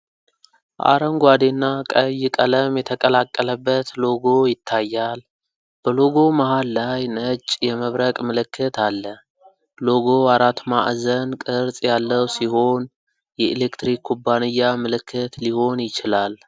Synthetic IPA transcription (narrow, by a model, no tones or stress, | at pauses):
ʔa̰ɾənɡʷwad̪enːakʼəjɪkʼələmjɛt̪ʰəkʼəlakʼːələbːət̪lo̞ɡo̞jɪt̪ʰːajːal | b̥əlo̞ɡo̞mahalːajnət͡ʃʼːjɛməβɾəkʼmɨlɨkʰːɨt̪alːə | lo̞ɡo̞waɾat̪maʔzənkʼɨɾsʼjalːəwsiho̞n | jɛelekt̪ɾikʰːubːanɨjːamɨlɨkʰːɨt̪liho̞njɪt͡ʃɪlal